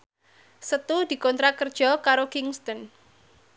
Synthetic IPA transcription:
sət̪ud̪̥i̤kɔnt̪ɾakərd̥ʒ̥ɔ̤kaɾokiŋst̪ɔn

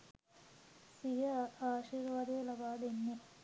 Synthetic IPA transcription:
sijɐaːʃiːɾʋaːd̪elɐbaːd̪enːe

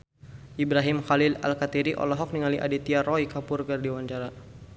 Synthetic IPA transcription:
ʔibɾaɦɪmxalɪla̰lkat̪iɾiʔɔ̰lɔɦɔk̚niŋaliʔa̰dit̪iaɾɔikapʊrɡardiwaɲt͡ʃaɾa

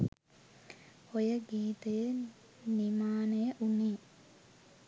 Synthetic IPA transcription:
ojɐɡiːt̪ɐjɐ | nimaːnɐjɐʔunːi

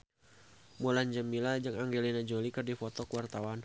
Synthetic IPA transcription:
muland͡ʒəmilad͡ʒaŋaŋɡelinad͡ʒolikɨrdifɔt̪ɔkəwart̪awan

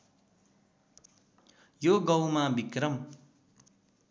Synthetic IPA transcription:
joɡʌwmabikrʌm

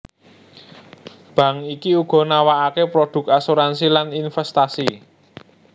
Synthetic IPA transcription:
b̥ä̤ŋikiuɡ̥ɔ̤nawaʔakepɾoɖ̥ʊ̤k̚asuɾansilaninfɛst̪asi

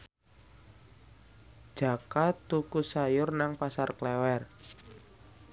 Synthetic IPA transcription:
ʒ̥a̤kat̪ːukusajʊrnaŋpasarklɛwɛr

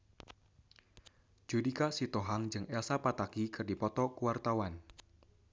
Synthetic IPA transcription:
d͡ʒudikasit̪oɦaŋd͡ʒɨŋɛsapat̪akikɨrdipɔt̪ɔkuwart̪awan

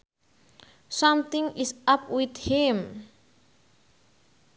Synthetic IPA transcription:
sʌmt̪ɪ̃ŋisap̚wit̪him

